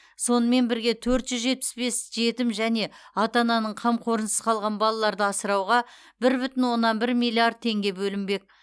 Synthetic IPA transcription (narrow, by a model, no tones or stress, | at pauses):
so̞nəme̞nbɪɾɡʲet̪ʰɵɾt̪ʒ̥ʏzʒe̞t̪̚pɪ̥sbe̞sʒe̞t̪ɪmʒæne̞ɑt̪ɑnɑnəɴqʰɑmqʰo̞ɾənəsə̥z̥ə̥qʰɑlˠʁɑnbɑlˠɑlˠɑɾd̪əɑsəɾɑwʁɑ | bɪɾbʏt̪ɪnwo̞nːɑnbɪɾmijlʲˠːiard̪̚t̪ʰe̞ŋɡʲe̞bɵlɪmbe̞k̚